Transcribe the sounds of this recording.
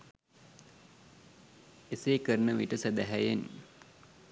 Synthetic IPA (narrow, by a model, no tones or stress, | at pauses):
eseːkəɾənəmiʈəsæd̪æɦæjen